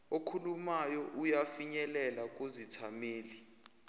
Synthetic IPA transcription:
okʰulumajɔʔujafiɲɛlɛlak̬ʼozitʰameːli

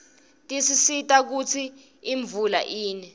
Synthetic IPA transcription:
tʼisisitʼak̬ut͡sʰiː | ɱb̪vula̰ʔiːnɛ

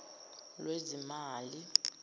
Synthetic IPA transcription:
lwezimaːli

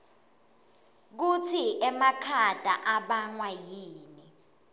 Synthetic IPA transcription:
k̬utʰiʔɛmakʰad̥ʱa̰ʔaɓaŋwajiːni

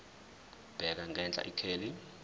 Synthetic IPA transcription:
b̥ʱɛk̬aŋɡʱɛnt͡ɬʼa̰ʔikʰeːli

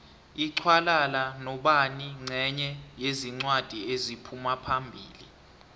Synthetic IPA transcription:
iǀʰwalalanɔɓaniŋ͡ǀʱɛɲɛjeziŋ͡ǀwad̥ʱiezipʰumapʰambʱiːli

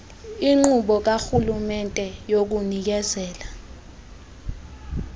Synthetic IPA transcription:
iŋ͡ǃuɓɔk̬axulumɛntʼɛjok̬unik̬ɛzɛːla

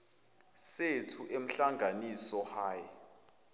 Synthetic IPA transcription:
setʰuʔem̩ɬaŋɡʱanisɔhaːjɛ

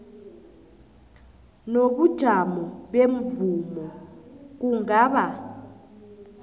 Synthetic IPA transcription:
noɓud̥ʒ̥ʱamɔɓem̩vumɔk̬uŋaːɓa

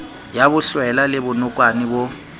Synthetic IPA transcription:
jabʊɬwɛlalɪbʊnʊkʼwanɪbʊ

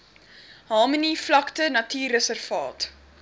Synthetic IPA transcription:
ɦɑːməniflɐktənɐtiːrəsərvɑːt

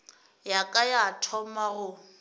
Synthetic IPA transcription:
jakʼajatʰɔmaɣʊ

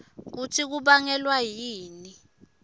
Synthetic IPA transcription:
k̬utʰik̬uɓaŋɛlwajiːni

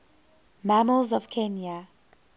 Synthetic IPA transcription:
maməlzɔv̥kʰɛnja

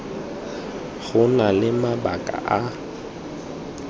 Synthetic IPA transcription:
ɣʊnalɪmabakʼa̰ʔa

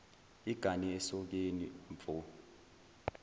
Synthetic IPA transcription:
iɡ̥ʱaniɛsɔk̬eniɱfu

